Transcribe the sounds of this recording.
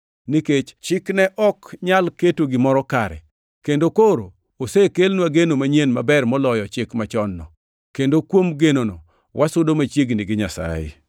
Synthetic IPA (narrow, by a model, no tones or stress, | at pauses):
niket͡ʃt͡ʃɪknɛʔɔkɲalketoɡɪmɔɾɔkaɾɛ̰ | kendokoɾo | osekelnwaɡenomaɲenmabɛrmɔlɔjɔt͡ʃɪkmat͡ʃɔnːɔ̰ | kendokwomɡenonɔ | wʔasʊdomat͡ʃiɡniɡɪɲasa̰jḛ